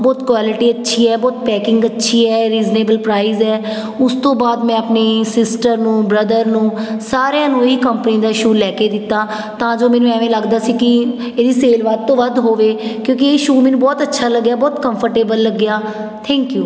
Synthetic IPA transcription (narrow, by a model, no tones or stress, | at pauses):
bɔːt̪kʋaːlɪʈiːətːʃʰiːɛːbɔːt̪̚pɛːkɪ̃ŋɡətːʃʰiːɛːɾiːzneːbəlpɾaːizɛː | ʊst̪õːbaːd̪mɛ̃ːəpneːsɪsʈəɾnũːbɾəd̪əɾnũːsaːɾejãːnũːɦiːkəmpənĩd̪aːɪʃuːlɛːkeːd̪ɪt̪ːaː | t̪ãːd͡ʒoːmɛ̃ːnũɛːʋẽːləɡd̪aːsiːkɪ | eːd̪iːseːlʋaːd̪̚t̪õːʋəd̪ɦoːʋeːkjõːk̬ɪeːɪʃuːmẽːnũːbɔːt̪ətːʃʰaːləɡjaːbɔːt̪kəmpʰəɾʈeːbəlːəɡːjaː | t̪ʰɛ̃ːŋkjuː